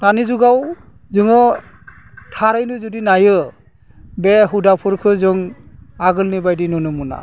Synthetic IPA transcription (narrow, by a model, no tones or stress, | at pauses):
nanizuɡaw | zɯŋɯ | tʰaɾajnuzudinajɯ | beɦudapʰɯɾkʰɯzɔŋaɡɯlnibajdinɔnumuna̰